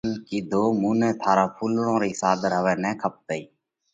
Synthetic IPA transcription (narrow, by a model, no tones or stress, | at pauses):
nkiːd̪ʱoːmuːnɛ̃ːt̪ʰaːɾaːpʰuːlɽõːɾiːsaːd̪əɾɦəʋɛːnɛ̃ːkʰəp̚t̪əiː